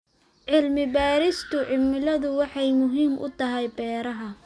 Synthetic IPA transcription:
ʕɪlmɪbaːɾɪst̪ʰʊʕɪlmɪlɐðʊwɑħɑjmʊɦiːmʔʊ̰t̪ʰɐɦɛjbɛːɾɐɦɐ

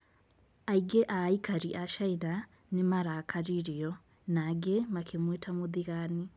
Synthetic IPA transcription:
aiɡeʔaikaɾiʔaʃaina | nemaɾakʰaɾiɾijɔ | naɡemakʰemwetʰamoðiɣani

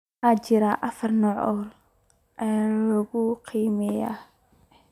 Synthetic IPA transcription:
ʔat͡ʃɪɾaʔɐfɐrnɔːʕɔːl | ʔɛalɔɣʊqʰiːmɛja̰ː

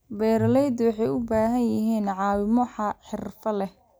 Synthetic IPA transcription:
bɛːɾlɛjd̪wɑħɑjʊbaːɦɐnjɐɦiːnʕɑːwɪmɔħɑɐħɪrfɐlɛh

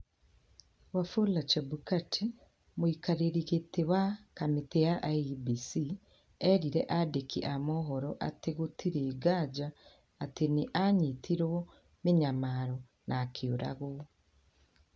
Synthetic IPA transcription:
wafolat͡ʃɔbukatʰi | moikaɾeɾiɣetewakametejaʔabisi | ɛɾiɾɛʔadekiʔamɔɦɔɾɔʔateɣotʰiɾeːɡad͡ʒaː | teneʔaɲitiɾwɔ | meɲamaɾɔ | nʔakʰeoɾa̰ɣo

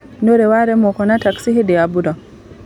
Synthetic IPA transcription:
nɔɾɛwaɾɛmɔkɔnataksihidɛjabuda

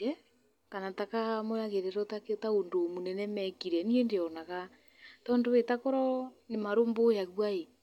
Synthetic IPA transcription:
ɛ | kanatakamojaɣeɾɛɾɔtaketaondomunɛnɛmɛkiɾɛniɛndeɔnaɣa | tɔːndowetakoɾɔnemaɾombojaɣwae

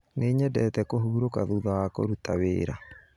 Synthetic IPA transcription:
neɲɛdɛːtɛkoɦuːɾokaðuðawako̰ɾutawḛːɾa

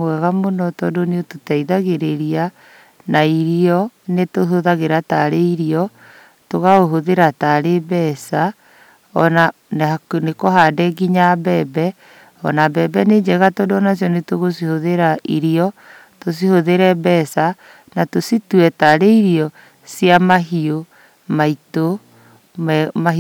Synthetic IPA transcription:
ɛɣamonɔtɔdoneototaiðaɣeɾeɾia | naiɾiɔnetoɦoðaɣeɾataɾeiɾiɔ | toɣaoɦoðeɾataɾebɛsa | ɔ̰na | nanekɔɦadɛɡiɲabɛːbɛ | ɔ̰nabɛbɛned͡ʑɛɣatɔdɔnas̬jɔnetoɣosihoðeɾaiɾiɔ | tos̬ihoðeɾɛbɛsa | natosituɛtaɾeiɾiɔ | siamaɦio | maito | mma

